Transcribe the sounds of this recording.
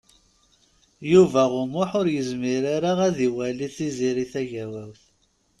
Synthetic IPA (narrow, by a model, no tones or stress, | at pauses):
juvæʁʊmʊħʊɾjəzmiɾaɾaʁæðiwæliθiziɾiθæʝæwæwθ